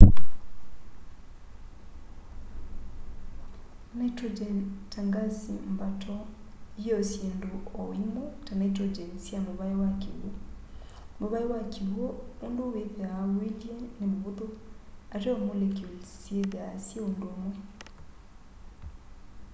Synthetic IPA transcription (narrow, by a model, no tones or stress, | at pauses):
natɔd͡ʒɛntaŋɡasimbatʰɔ | iɔsjendoɔwimotanatɾɔd͡ʒɛnsiamoβaiwakḛo | moβaiwakʰewɔondoweðɛaweljenemoβoðoaɾeɔmolekosieðeasieondoomo